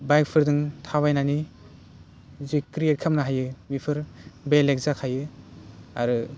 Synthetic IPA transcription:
bajk̚pʰɯɾdɯŋtʰaβajnani | zikɾijet̚kʰamnaɦajɯmipʰɯɾbelek̚zakʰajɯ | a̰ɾɯ

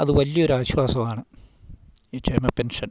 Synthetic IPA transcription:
ɐðɨʋɐlːijo̞ɾuaːɕwaːsɐmaːɳɨ | it͡ɕeːmɐpenʂɐn

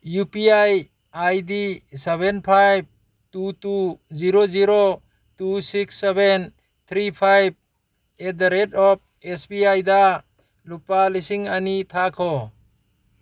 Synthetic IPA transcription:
jupiaj | ajdisebenpʰajb̚ | tutuziɾoziɾo | tusiksːeben | t̪ʰɾipʰajb̚ | edaɾedɔp̚espiajda | lupalisiŋanitʰakʰɔ

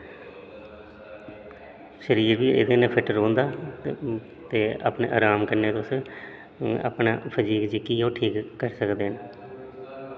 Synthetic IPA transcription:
ʃəɾiːɾʋiːɪ̰d̪eːneːpʰɪʈɾõːnd̪aː | t̪eːa̰ːpnḛːʔa̰ːɾaːmkəɾneːt̪ʊs | a̰pɳa̰ːpʰəd͡ʒiːɡd͡ʒɪkiːõːʈʰiːkːəɾsəkd̪eːɦən

